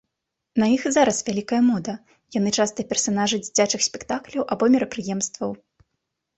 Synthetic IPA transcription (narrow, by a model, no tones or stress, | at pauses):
nɐjixzaɾɐsvʲalʲikɐjɐmɔd̪ɐ | jan̪ɨt͡ʂast̪ɐpʲɛrsanaʐɨd͡zʲit͡sʲat͡ʂɨxsʲpʲɛkt̪aklʲɐwʔabɔmʲɛɾɐpɾɨjɛmst̪vɐw